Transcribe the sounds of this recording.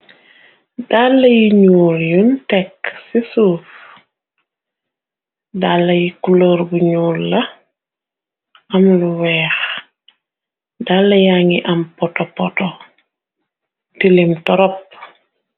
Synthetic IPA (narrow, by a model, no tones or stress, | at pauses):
dalːɐjiɲuːljuntɛksisuːf | dalːɐjikuloːɾbuɲuːlːɐ | ɐmluwɛːx | dalːɐjaːŋiʔɐmpɔtɔpɔtɔ | tilimtɔɾɔp̚